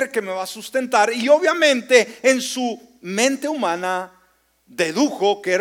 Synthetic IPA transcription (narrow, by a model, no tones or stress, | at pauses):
ɾke̞me̞βasust̪e̞nt̪aɾio̞βjamẽ̞nt̪e̞ːnsu | mẽnt̪e̞umãna | ðe̞ðuxo̞keeɾ